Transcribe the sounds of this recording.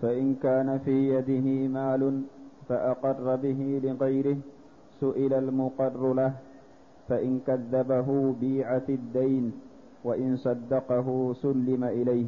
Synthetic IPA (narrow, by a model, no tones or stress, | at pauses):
faʔɪnkaːnafiːjad̪ɪɦɪmaːlʊnfaʔaqɑrˤːɑbɪɦɪlɪɣajɾɪh | sʊʔɪlalmʊqɑrˤːʊlah | faʔɪnkaðːabaɦʊbiːʕafɪd̪ːajn | waʔɪnsˤɑd̪ːɑqɑɦʊsʊlːɪmaʔɪlajh